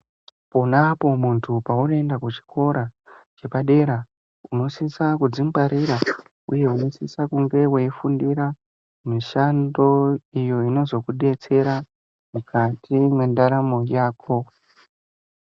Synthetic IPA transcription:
ponapo̞muntʰupaunendakut͡ʃi̥kʰo̞ɾat͡ʃe̞paɗe̞ɾa | uno̞sisakud͡zimbaɾiɾa | ṵje̞uno̞sḭsakuŋɡe̞weifundiɾa | miʃando̞ijo̞ino̞zo̞kuɗe̞t͡se̞ɾa | mukʰatimwe̞ndaɾamo̞jaːkʰo̞

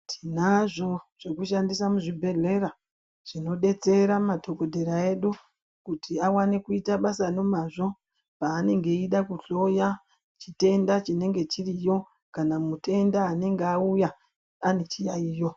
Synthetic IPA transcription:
tʰinaʐo̞ʐ̥ekuʃandisamuʐibʱe̞ɮe̞ɾa | ʐ̥ino̞ɗe̞t͡se̞ɾamatʰo̞ko̞dʱeɾae̞ɗu | kutʰiawanekuitaɓasano̞maʐo̞ | paːne̞ŋɡe̞iɗakuɬo̞ja | t͡ʃite̞ndat͡ʃine̞ŋɡe̞t͡ʃirijo̞ | kanamute̞ndaːne̞ŋɡeauja | ane̞t͡ʃijaiːjo

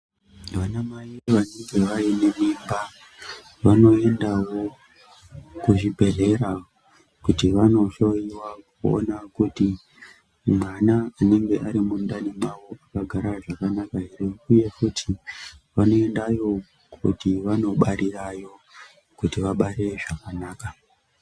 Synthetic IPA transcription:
ʋanamaiʋane̞ŋɡe̞ʋaine̞mimba | ʋano̞e̞ndawo̞ | kuʐibʱe̞ɮe̞ɾa | kutiʋano̞ʃo̞jiwakkuo̰nakuti | mwanaine̞ŋɡe̞ʔaɾimundanimwawoʔakaɡʱaɾaʐakanakaɦeɾeuje̞futʰiʋano̞e̞ndajo̞ | kʰṵtiʋano̞ɓaɾirajo̞ | kutiʋaɓaɾe̞ʐakanaːka

